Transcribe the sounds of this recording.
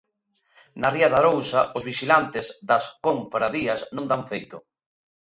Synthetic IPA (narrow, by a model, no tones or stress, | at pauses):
nariɐðaɾowsaʊzβiʃilant̪ɪzðɐskoɱfɾaðiɐsnõŋd̪aɱfejt̪ʊ